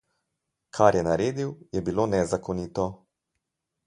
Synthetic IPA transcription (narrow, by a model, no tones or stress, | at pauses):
kʰaɾjɛnaɾeːd̪iwjɛbiloːnɛzakɔnit̪ɔ